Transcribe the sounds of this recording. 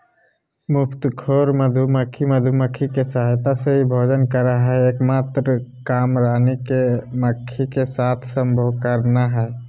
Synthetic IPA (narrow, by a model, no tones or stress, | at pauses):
mʊpʰt̪kʰoɾməd̪ʱuməkʰːiməd̪ʱuməkʰikesaɦjt̪aseibʱod͡ʒənkəɾaɦɛekmat̪ɾəkamɾanikeməkʰːikesat̪ʰsəmbʱəwkəɾnaɦɛ